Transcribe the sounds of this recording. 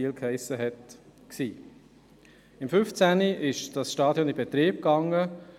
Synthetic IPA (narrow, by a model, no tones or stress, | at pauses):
iːlkhɛɪsəɦɛtksiː | ɪmfʏft͡sæniʔɪʃd̥ɑsʃtɑːd̥jɔnɪb̥et̪ɾiːb̚kɑŋə